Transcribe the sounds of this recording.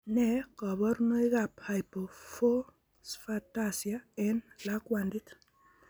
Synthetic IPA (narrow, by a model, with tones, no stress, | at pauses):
nɛ˦kɔ˨βɔ˦rno˦i˦ɡapha˨jpo˨fo˦ | sfatasjaɛnla˦kwandi˦t